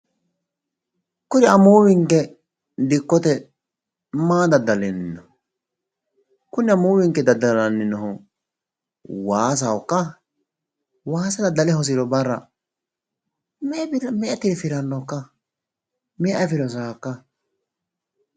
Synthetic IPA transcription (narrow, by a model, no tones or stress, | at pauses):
kʊnɪɐmuːwɪŋkːɛ | d̪ɪkːɔt̪ɛ | maːd̪ɐd̪ːɐlɛnːɪnːɔ | kʊnɪɐmuːwɪŋkːɛd̪ɐd̪ːɐlɐnːɪnːɔɦʊ | waːs̬ɐwɔkːɐ | waːsɐd̪ɐd̪ːɐlɛhɔs̬ɪɾɔbɐrːɐ̰ | mɛbɪɾmɛʔɐt̪ːɪɾɛfɪɾɐnːɔkːɐ | mɛʔɐfɪɾɔs̬aːkːɐ